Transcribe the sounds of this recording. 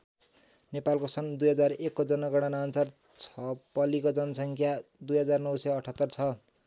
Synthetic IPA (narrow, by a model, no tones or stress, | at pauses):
nepalkosʌnd̪ujɦʌd͡zarekːod͡zʌnʌɡʌɽ̃anaːnsar | t͡sʰʌpʌlikod͡zʌnʌsʌŋkʰjad̪ujɦʌd͡zarnʌwsʌjʌʈʰʌt̪ːʌrt͡sʰʌ